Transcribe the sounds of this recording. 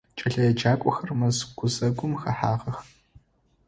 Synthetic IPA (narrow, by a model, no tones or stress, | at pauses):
t͡ʃʼɐɬɐjɛd͡ʒaːkʷʼɔxɐrmɐzɡ̥ʷʊzɐɡʷʊmxɐħaːʁɐx